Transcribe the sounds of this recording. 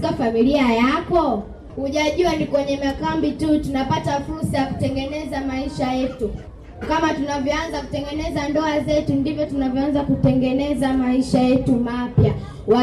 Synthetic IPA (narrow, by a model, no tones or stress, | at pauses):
kafamiliajakɔ | huʄaʄuanikwɛɲɛmakambitutunapatafuɾsajaku̥tɛŋɡɛnɛzamaiʃajɛtu | kamatunavjɔanzaku̥tɛŋɡɛnɛzandɔazɛtundivjɔtunavjɔanzakutɛŋɡɛnɛzamaiʃajɛtumapja | wa